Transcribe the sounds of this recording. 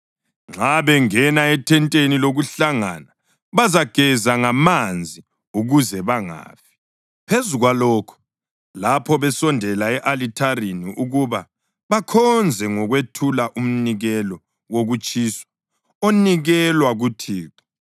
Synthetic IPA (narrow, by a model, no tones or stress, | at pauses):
ŋ͡ǁaβɛŋɛnaɛtʰɛntʼeniloɣuɬaŋa̰na | βazaɡ̥ʱɛzaŋamand͡zʱi | uɣuzɛβaŋa̰ːfi̥ | pʰezuɣwalɔkʰɔ̥ | lapʰɔβɛsɔndʱɛlaɛʔalitʰariniʔuɣuβa | βakʰɔnd͡zʱɛŋɔɣwetʰulaʔum̩niɣɛlɔ | woɣut͡ʃʼisɔ̥ | oniɣɛlwaɣutʰiːǁɔ̥